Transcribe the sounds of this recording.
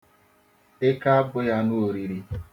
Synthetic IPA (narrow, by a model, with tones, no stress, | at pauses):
ɪ˦ka˦a˦bʊ˦ja˦nu˦o˨ɾi˨ɾi˨